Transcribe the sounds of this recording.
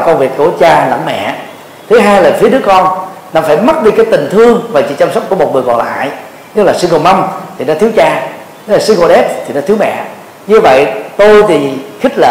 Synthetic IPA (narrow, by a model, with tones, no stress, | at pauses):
kə˧wŋ͡mvi˨˩ək̚kːu˧˩ət͡ɕaː˧lə̰˧˩mmɛ̰˧˨ | t̪ʰɨ˨˦ɦaː˧jlaː˨˩fi˨˦əɗɨ˨˦˥əkɔ˧n | naː˧˩faː˧˩jma˦˥t̚ɗi˧kaː˨˦jt̪ï˨˩ŋ̟t̪ʰɨ˧əŋvaː˨˩t͡ɕḭ˧˨t͡ɕa˧msə˦˥wk͡p̚ku˧˩əmo˨˩t̚ŋɨ˨˩əjɣɔ̰˧˨nla̰ː˧˨j | nɨ˦˥k̚laː˨˩si˧ɣo˧ma˧wmt̪ʰi˨˩nɔ˨˧t̪ʰi˨˦əwt͡ɕaː˧˦˥ | laː˨˩si˧ŋko˧ɗɛ˦˥p̚t̪ʰi˨˩nɔ̰˧˦t̪ʰi˨˦əwmɛ̰˧˨ | ɲɨ˧və̰˧˨jt̪o˧jt̪ʰi˨˩xi˦˥k̟̚lə̰ː˧˨